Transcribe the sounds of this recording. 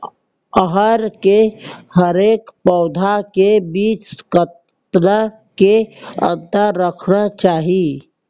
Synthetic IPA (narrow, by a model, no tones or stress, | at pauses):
əɦəɾkehəɾeːkpɔːd̪ʱakebiːt͡ʃkət̪ | na | keə̰̃nt̪əɾːəkʰnat͡ʃaːɦi